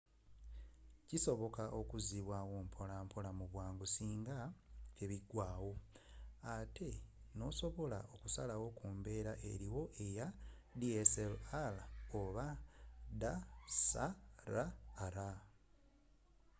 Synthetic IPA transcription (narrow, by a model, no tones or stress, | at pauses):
ciso̞βo̞kaʔo̞kuziβwawuːmpʰo̞lampʰo̞lamuβwaːŋɡusiːŋɡaeβiɡwaːwo̞ | atʰe̞no̞so̞βo̞la̰o̞kusa̰lawo̞kuːmbe̞ɾaʔe̞̰ɾiwo̞ʔe̞ja | dieselaloβad̪asaɾaːɾa